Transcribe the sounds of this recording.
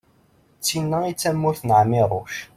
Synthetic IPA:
t͡sːinːæit͡sːæmːʊθnəʕmiɾˤoʃ

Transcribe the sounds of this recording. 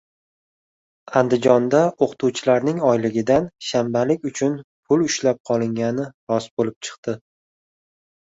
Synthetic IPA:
and̪ɪd͡ʒɒnd̪aoqt̪ʰuwt͡ʃʰɪlaɾnɪŋɒjlɪɡʲɪd̪anʃambalɪkʲʊt͡ʃʰʊnpʰʊlʊʃlap̚qʰɒlˠɪŋʲanɪɾɒsbolɪp̚t͡ʃʰɨ̥qt̪ɪ

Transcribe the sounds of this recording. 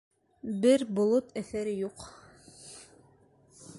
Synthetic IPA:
bɘɾbŏlˠot̪æθæɾɘjuq

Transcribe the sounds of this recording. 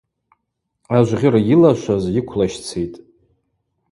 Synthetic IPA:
aʒʷʁʲɪɾajilaʃʷazikʷʰlaʃt͡sʰejtʼ

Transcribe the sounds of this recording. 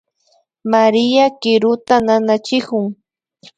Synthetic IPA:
maɾɪjakɪɾʊt̪ananat͡ʃɪkʊŋ

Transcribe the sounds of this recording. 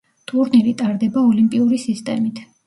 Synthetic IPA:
t̪ʰʼuɾnilit̪ʼaɾd̪ɛbaɔlimpʼiuɾisist̪ʼɛmit̪ʰ

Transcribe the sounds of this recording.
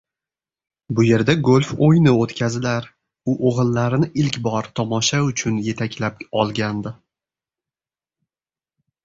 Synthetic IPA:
bʊje̞ɾd̪aɡolʲfojnɪot̪kʲʰazɪlaɾ | ʊʔoʁɨlˠːaɾɪnɪʔɪlkʲbɒɾt̪ʰɒmɒʃaʊt͡ʃʰʊnje̞t̪ʰakʲlap̚ɒlˠɡʲand̪ɪ

